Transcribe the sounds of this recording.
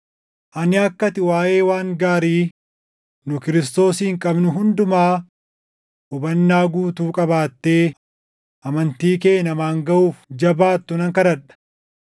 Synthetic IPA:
ʔɐnɪɐkːɐt̪ɪwaːje̞ːwaːŋɡaːɾiː | nʊkɪɾɪst̪o̞ːsiːŋkʼɐbnʊɦʊnd̪ʊmaː | ʔʊbɐnːaːɡuːt̪uːkʼɐbaːt̪ːe̞ː | ʔɐmɐnt̪iːke̞ːnɐmaːŋɡɐʔuːfd͡ʒɐbaːt̪ːʊnɐŋkɐɾɐᶑɐ̥

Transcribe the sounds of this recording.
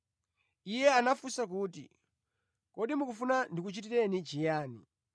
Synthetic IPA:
ijɛanafusak̬uːtḭ | kɔɗimukufunandik̬ut͡ʃit̬iɾɛnit͡ʃijaːni

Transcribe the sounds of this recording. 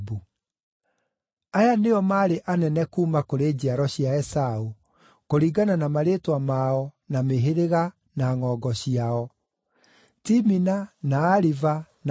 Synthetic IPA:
bu | ajaneɔmaːɾeʔanɛnɛkuːmakoɾeːd͡ʑiaɾɔɕiaɛsau | koɾiːɡananamaɾetwamaɔ | nameɦeɾeɣa | naŋɔːɡɔɕiaɔ | timinanaːɾiva | n

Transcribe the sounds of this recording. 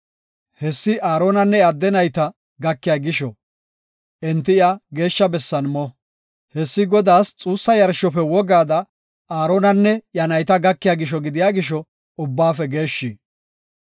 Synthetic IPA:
hɛsːɪʔaːɾoːnɐnːɛɐd̪ːɛnɐjt̪ɐ | ɡɐkːɪjaɡɪʃɔ | ʔɛnt̪ːɪɐɡe̞ːʃːɐbɛsːɐnmɔ | hɛsːɪɡɔd̪aːst͡sʼuːsːɐjɐɾʃɔfɛwɔɡaːd̪ɐ | aːɾoːnɐnːɛjɐnɐjt̪ɐɡɐkːɪjaɡɪʃ̬ɔɡɪd̪ɪjaːɡɪʃɔ | ʊbːaːfɛɡe̞ːʃːiː

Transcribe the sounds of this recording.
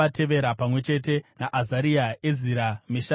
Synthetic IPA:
ate̞ʋe̞ɾapamwe̞t͡ʃe̞t̬e̞naʔazaɾiaeziɾameʃa

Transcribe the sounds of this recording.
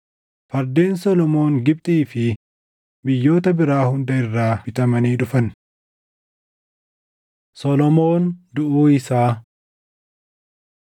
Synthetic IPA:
fɐɾd̪eːnsɔlɔmo̞ːŋɡɪp̚t̪ʼiːfɪ | bɪjːo̞ːt̪ɐbɪɾaːhʊnd̪ɐɪrːaːɪt̪ɐmɐniːᶑʊfɐn | sɔlɔmo̞ːnd̪ʊʔuːɪsaː

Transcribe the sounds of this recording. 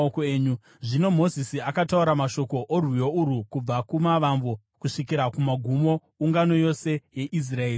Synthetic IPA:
okoeːɲu | ʐino̞mo̞zisiakatauɾamaʃo̞ko̞ʔorwijouɾukub͡vakumaʋaɱvo | kuʂikiɾakumaɡʱumo̞ | uŋɡano̞jo̞se̞je̞ʔis̬raeːr

